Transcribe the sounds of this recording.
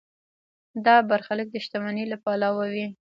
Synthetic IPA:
d̪ɑbaɾxalək̚d̪əʃt̪amanelapɑlawawi

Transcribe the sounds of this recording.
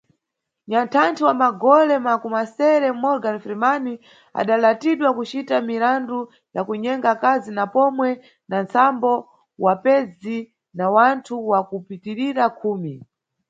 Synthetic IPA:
ɲantʰantʰiwamaɡɔlɛmakumasɛɾɛm̩mɔɾɡanfiɾimani | a̰ɗalatiɗwakut͡ʃitamiɾandu | jakuɲɛŋɡakazinapɔmwɛ | nant͡sambɔ | wapɛzi | nawantʰuwakupitiɾiɾakʰuːmi

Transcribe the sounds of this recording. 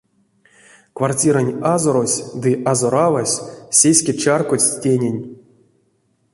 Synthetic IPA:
kvartʲiɾanʲazoɾosʲd̪ɨʔazoɾavasʲsʲesʲkʲet͡ʃarkot͡sʲtʲenʲenʲ

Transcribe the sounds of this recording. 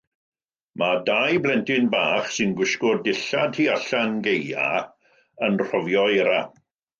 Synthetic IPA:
madajblˠɛntɪnbaːχsɪnɡwɪʃkɔrdɪɬadriaɬanɡeja̰ | ənr̥ɔvjɔɛɾa

